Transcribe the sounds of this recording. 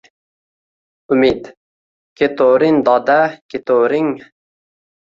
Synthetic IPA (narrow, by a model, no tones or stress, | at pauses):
umid̪ | kʲʰet̪oɾɪnd̪ɑd̪ækʲet̪oɾɪŋ